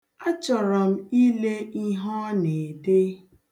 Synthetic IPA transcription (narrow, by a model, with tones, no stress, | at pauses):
a˦t͡ʃɔ˨ɾɔ˨m̩˦i˦le˦i˦ɦɔ˦ne˨de˦